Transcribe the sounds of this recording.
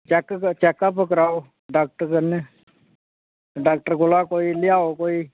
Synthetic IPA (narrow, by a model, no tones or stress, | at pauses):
t͡ʃɛkt͡ʃɛːkːapəkəɾaːo | ɖaːk̚ʈəɾkəne | ɖaːk̚ʈəɾɡʊlaːkoːilɪjaːokoːiː